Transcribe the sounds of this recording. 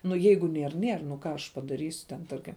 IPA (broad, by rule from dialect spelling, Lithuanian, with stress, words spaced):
ˈnʊ ˈjɛɪɡʊ ˈnʲiɛr ˈnʲiɛr nʊ ˈkɑː ɐʃ pɐdɐˈrʲiːsʲʊ tʲɛn ˈtɐrʲkʲɪm